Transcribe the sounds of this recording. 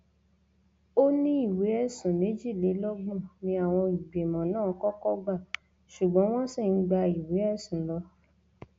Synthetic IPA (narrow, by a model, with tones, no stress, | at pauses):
o˦nĩ˦i˦˨we˨˦ɛ˦˨sã˨nĩ˨˦d͡ʒi˦˨le˨˦lɔ˦ɡ͡bɔ̃˦˨nĩ˧a˨w̃ɔ̃˧i˨ɡ͡be˨mɔ̃˨nãː˦˨˦kɔ˦kɔ˦ɡ͡ba˦˨ | ʃu˨ɡ͡bɔ̃˨˦w̃ɔ̃˦si˦˨n̩˦ɡ͡ba˧i˨we˨˦ɛ˦˨sũ˨lɔ˧